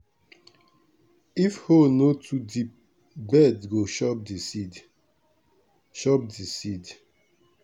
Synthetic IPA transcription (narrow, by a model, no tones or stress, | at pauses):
ifhonotʰudip̚ | bɛdɡoʃɔp̚disid | ʃɔp̚disid